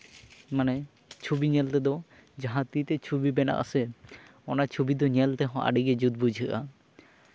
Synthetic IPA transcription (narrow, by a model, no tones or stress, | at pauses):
manɛ | t͡ʃʰubiɲɛlt̪ɛd̪ɔ | d͡ʒaɦãt̪it̪ɛt͡ʃʰubibɛna̰ʔa̰sɛ | ɔnat͡ʃʰubid̪ɔɲɛlt̪ɛɦɔ̃ʔa̰ɖiɡɛd͡ʒud̪̚bud͡ʒʱɯʔa